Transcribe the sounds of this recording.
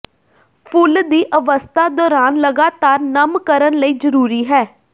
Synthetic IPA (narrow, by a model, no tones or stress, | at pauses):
pʰʊld̪iːʔəʋəst̪ʰaːd̪ɔːɾaːnləɡaːt̪aːɾnəmkəɾənləiːzəɾuːɾiːɦɛː